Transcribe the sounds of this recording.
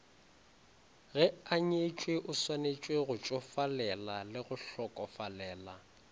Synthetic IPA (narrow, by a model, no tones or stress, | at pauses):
ɣɛaɲet͡ʃʼweʔʊswanet͡ʃʼweɣʊt͡ʃʼɔfalɛlalɪɣʊɬɔkʼɔfalɛːla